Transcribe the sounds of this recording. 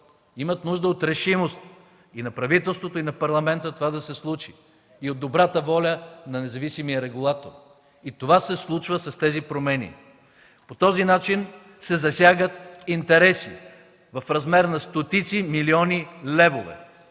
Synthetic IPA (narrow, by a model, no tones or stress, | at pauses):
imət̪nuʒd̪əot̪ɾɛʃimost̪ | inɐpɾɐvit̪ɛlˠst̪vot̪oinɐpɐɾlˠɐmɛnt̪ət̪ovad̪ɐsɛslˠut͡ʃi̥ | iod̪ːobɾat̪əvɔlʲənɐnɛzɐvisimijəɾɛɡulˠat̪oɾ | it̪ovasɛslˠut͡ʃvəsɐst̪ɛzipɾomɛnḭ | pot̪ɔzinat͡ʃin | sɛzɐsʲjaɡət̪int̪ɛɾɛsḭ | vɐfɾɐzmɛɾnɐst̪ot̪it̪similiɔnilɛvovɛ̰